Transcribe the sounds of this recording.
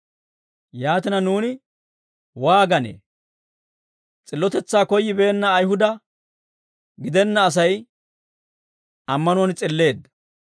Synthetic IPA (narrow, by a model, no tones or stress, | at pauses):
jaːt̪ɪnɐnuːnɪ | waːɡɐnḛː | t͡sʼɪlːɔt̪ɛt͡sːaːkɔjːɪbe̞ːnːɐːjhʊd̪ɐ | ɡɪd̪ɛnːɐːs̬ɐj | ɐmːɐnɔnt͡sʼɪlːe̞ːd̪ːɐ